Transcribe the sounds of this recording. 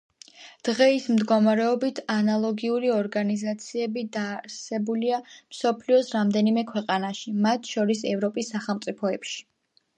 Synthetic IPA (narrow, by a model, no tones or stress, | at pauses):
d̪̥ʁɛismd̪ɡɔmaɾɛɔbit̪ʰanalˠɔɡiuɾiɔɾɡanizat̪sʰiɛbid̪aːɾsɛbuliamsɔpʰliɔsɾamd̪ɛnimɛkʰwɛqʼanaʃimat̪ʰʃɔɾisɛvɾɔpʼisːaχɛlˠmt̪sʼipʰɔɛpʃi̥